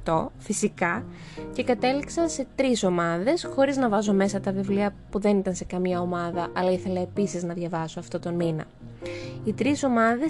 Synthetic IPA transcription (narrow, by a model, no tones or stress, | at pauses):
t̪o̞fisikɐ | ce̞kɐt̪e̞liksɐse̞t̪ɾiso̞mɐðe̞sxo̞ɾiznɐvɐzo̞me̞sɐt̪ɐvivliɐpuðe̞nit̪ɐnse̞kɐmiɐo̞mɐðɐʔɐlɐiθe̞lɐepisiznɐðʝɐvɐsoɐft̪o̞t̪o̞nminɐ̰ | it̪ɾiso̞mɐðe̞